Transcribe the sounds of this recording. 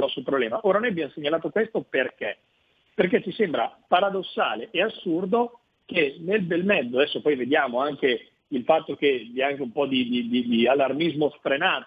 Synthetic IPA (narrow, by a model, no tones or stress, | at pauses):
ɔsulpɾoblɛːmaʔoːɾanojabjamseɲːalaːt̪okwest̪operke | perk̬et͡ʃːisembɾa̰paɾad̪osːa̰ːleʔeasːurd̪o | kenelbelmɛd̪ːoad̪ɛsːopɔjved̪jaːmoaŋke | ilfat̪ːok̟eviaŋkeumpɔd̪id̪id̪id̪ialːarmizmosfɾenaːt̪